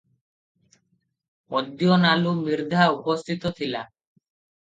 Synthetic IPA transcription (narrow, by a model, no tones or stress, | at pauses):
ɔd̪ːjonalumiɾd̪ʱaupost̪ʰit̪ot̪ʰila̰